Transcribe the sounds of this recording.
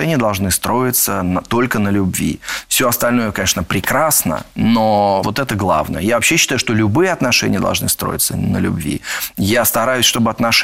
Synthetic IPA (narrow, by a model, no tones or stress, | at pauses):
ɛnʲɪjəd̪ɐlˠʐnɨst̪ɾo̞ɪt̪sənt̪o̞lʲkənəlʲʊbvʲḭfsʲoɐst̪ɐlʲnojʊkɐnʲeʂnəpɾʲɪkɾasnə̰novo̞t̪ɛt̪əɡlˠa̰vnə̰jəjavɐpɕːeɕːɪt̪ajʊʂt̪olʲʊbɨjəɐt̪nɐʂɛ̰nʲɪjəd̪ɐ̰lˠʐnɨ̰st̪ɾo̰jɪ̰t̪sə̰nə̰lʲʉ̰bvʲḭjast̪ɐɾajʊsʲʂt̪obɨɐt̪nɐʂ